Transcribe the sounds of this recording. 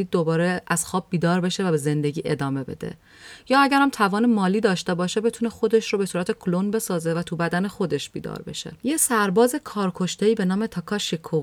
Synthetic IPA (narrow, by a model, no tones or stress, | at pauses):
id̪ːo̞bɒːɾeæz̥xɒːb̚ːiːd̪ɒːɾbe̞ʃevæbe̞ze̞nd̪e̞ɟʲiːʔe̞d̪ɒːme̞be̞̰d̪ḛ | jɒːæɟæɾæmt̪ʰævɒːnemɒːliːd̪ɒːʃt̪e̞bɒːʃe̞bet̪ʰunexo̞d̪e̞ʃɾobe̞suːɾæt̪ʰe̞kʰolonbe̞sɒːze̞væt̪ʰubæd̪æne̞xo̞d̪e̞ʃb̥iːd̪ɒ̰ːɾbe̞̰ʃe̞̰jesæɾbɒːze̞kʰɒːɾkʰo̞ʃt̪eiːbe̞nɒːmet̪ʰɒːkʰɒʃikʰo